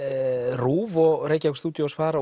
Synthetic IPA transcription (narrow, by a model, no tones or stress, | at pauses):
ruːvɔɣɾeːjcakst̪uːt̪josfaːɾa